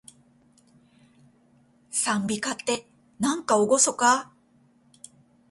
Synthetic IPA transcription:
sãmbʲikat̪ːe̞ | nãŋkaoɡo̞so̞ka

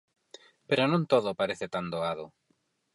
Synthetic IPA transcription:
peɾonõnt̪oðʊpaɾeθet̪and̪oaðʊ

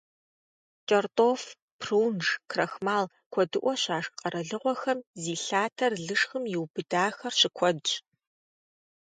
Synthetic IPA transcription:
t͡ʃʼɐrtʼoːf | pʰruːnʐkʰrɐxmaːl | kʷʰɔdɨʔʷɔɕaːʂqʼɐɾɐɮɨʁʷɔxɐmziːɬaːtʰɐrɮɨʂxɨmjɪwbɨdaːxɐrɕɪkʷʰɔdt͡ʃʼ

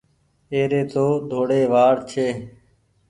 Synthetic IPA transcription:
eːɾeːt̪oːd̪ʱoːɽeːʋaːɽt͡ʃʰeː

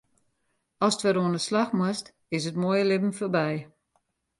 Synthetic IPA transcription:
ɔstʋəɾoənəslaxmwast | ɪsətmojəlɪbən̩forbɛj

